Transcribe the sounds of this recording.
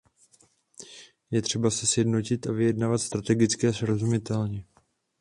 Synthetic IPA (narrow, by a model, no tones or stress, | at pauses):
jɛt̪r̥ɛbasɛsjɛdno̞cɪt̪ʔavɪjɛdnaːvat̪st̪ɾat̪ɛɡɪt͡skɛːsɾozumɪt̪ɛlɲɛ